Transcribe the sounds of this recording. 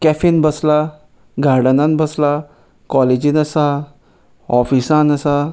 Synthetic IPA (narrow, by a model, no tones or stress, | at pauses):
kɛfinbəsla | ɡʱaɽənãnbəsla | kɔled͡ʑinəsa | ɔfisãnəsa